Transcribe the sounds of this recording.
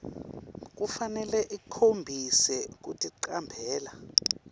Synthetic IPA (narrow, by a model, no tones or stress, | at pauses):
k̬ufanɛlɛʔikʰombʱisɛk̬utʼiǃambʱɛːla